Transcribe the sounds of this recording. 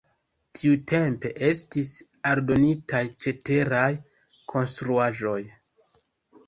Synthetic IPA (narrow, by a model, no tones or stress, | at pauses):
tʰiutʰe̞mpe̞ʔe̞stis | aɾdo̞nitajt͡ʃe̞te̞ɾaj | kʰo̞nstɾuaʒo̞j